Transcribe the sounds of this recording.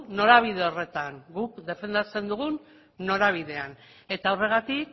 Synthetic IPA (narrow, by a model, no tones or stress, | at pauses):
no̞ɾaβ̞iðe̞o̞re̞t̪aŋɡukd̪e̞fe̞nd̪at͡se̞nd̪uɣ̞unː | o̞ɾaβ̞iðe̞an | e̞t̪aawre̞ɣat̪ik